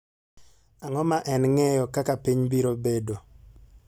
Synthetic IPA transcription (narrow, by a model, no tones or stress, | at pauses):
aŋɔmaʔɛnŋɛjɔkakapiɲbiɾobedo